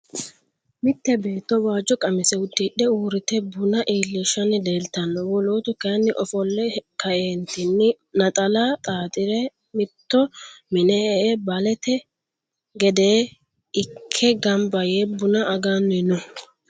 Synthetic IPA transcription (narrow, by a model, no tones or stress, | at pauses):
mɪt̪ːɛbe̞ːt̪ːɔwaːd͡ʒːɔkʼɐmɪsɛʊd̪ːiɗɛuːɾɪt̪ɛbʊnɐʔiːlːɛʃɐnɪd̪e̞ːlt̪ɐnːɔwɔloːt̪ʊkɐnːɪʔɔfɔlːɛkɐʔeːnt̪ɪnːɪ | nɐt̪ʼɐlat̪ʼaːt̪ʼɪɾɛ | mɪt̪ːɔmɪnɛɛʔbɐlɛt̪ɛ | ɡɛd̪eː | ɪkʰːɛɡɐmbɐjebʊnɐʔɐɡanːɪnʊ